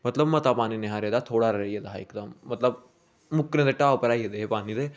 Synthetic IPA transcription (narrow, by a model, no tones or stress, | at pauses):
mɐt̪lɐbmɐt̪apaːnineɦaɾjɐd̪at̪ʰoːɽaːɾɐɾɐjɐd̪ɐɦaikd̪ɐmɐt̪lɐb̚ | mukːned̪ɐʈːaːɐpɐɾaːjɐd̪epaːnid̪e